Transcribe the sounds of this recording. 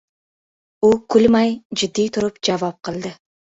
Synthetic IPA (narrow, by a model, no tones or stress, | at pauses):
ukʰʉlmɑjd͡ʒɪd̪ːijt̪ʰuɾupd͡ʒɑvop̚qʰɯlˠd̪ɨ